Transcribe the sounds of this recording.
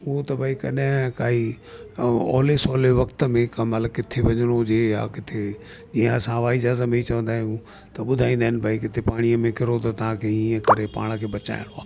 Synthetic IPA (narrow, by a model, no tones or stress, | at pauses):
ut̪ɐbʱaːikɐ̰ɗɦɪ̃kaːi | ɔ̰ːlesɔːleʋɐkt̪əmẽkamɐt̪ləɡkɪt̪ʰeʋɐɲəɽ̃od͡ʑeːja̰kɪt̪ʰe | d͡ʑiːãsãʋaːɪd͡ʒaːzəmeit͡ɕɐʋə̃nd̪aːɦɪ̃ũ | t̪ɐɓʊd̪ʱaːĩːnd̪aːɦɪnbʱaikɪt̪ʰepaːɽ̃iəmẽkɪɾot̪ɐt̪ɐɦãkʰeiːə̃kɐɾepa̰ːɽ̃ə̆kʰeːɓɐt͡ɕa̰ːɪɽ̃oaː